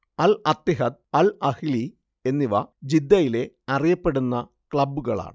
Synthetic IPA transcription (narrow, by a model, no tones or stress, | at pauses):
ɐlɐt̪ːiɦɐd̪̚ɐlɐhili | e̞nːiʋɐ̰d͡ʑid̪ːɐjile̞ | ɐrijɐpːe̞ɽunːɐ | kɭɐbːuɣɐɭa̰ːɳɨ